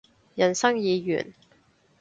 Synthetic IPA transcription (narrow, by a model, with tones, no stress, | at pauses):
jɐ˨˩nsɐ˥ŋjiː˨˧jy̰ː˨˩n